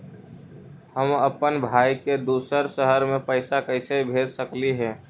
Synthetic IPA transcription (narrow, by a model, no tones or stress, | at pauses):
həməpənbʱaːiked̪uːsəɾʃəɦəɾmẽpəɪsakəɪsebʱeːd͡ʒsəkliɦɛ̃ː